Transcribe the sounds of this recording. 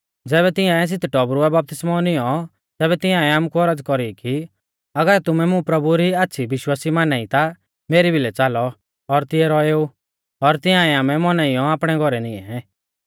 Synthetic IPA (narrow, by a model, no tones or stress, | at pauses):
d͡zɛːβɛt̪ɪjãs̬ɪt̪ʰʈɔbɾuɛbap̚t̪ɪsmɔnɪ̃jɔ | t̪ɛːβɛt̪ɪ̃jãɛaːmkuɔɾəd͡zkɔɾiki | ɐɡəɾt̪ʊmɛmʊ̃pɾɐbuɾiaːt̪ːʃʰibɪʃwaːsimaːnait̪a | meːɾibʱilɛt͡saːlɔ | ɔɾt̪ɪɛɾɔeːu | ɔɾt̪ɪjãːɛaːmɛmɔnaijɔaːpɽ̃ɛɡʱɔɾɛnɪ̃ɛ̰̃